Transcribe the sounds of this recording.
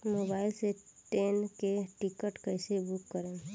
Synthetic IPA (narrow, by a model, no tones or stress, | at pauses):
mobaːɪlseʈeːnkeʈikəʈkəɪsebukːəɾẽ